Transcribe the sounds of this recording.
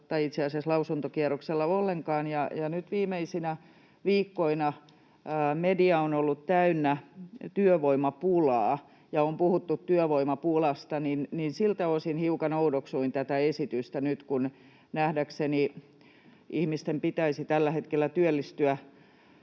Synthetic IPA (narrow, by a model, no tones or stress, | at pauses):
t̪ːɑiit̪seɑseslɑusunt̪okiɛrokselːɑolːeŋkɑːnjɑjɑnyt̪ʋiːmeisinæ | ʋiːkːoinɑ | mediɑonolːut̪t̪æynːæt̪yøʋoimɑpulɑː | jɑompuhut̪ːut̪tyøʋoimɑpulɑst̪ɑninninsilt̪æosinhiukɑnoudoksuint̪æt̪æesit̪yst̪ænyt̪kun | næhdækseni | ʔihmist̪empit̪æisit̪ælːæhet̪kelːæt̪yølːist̪yæ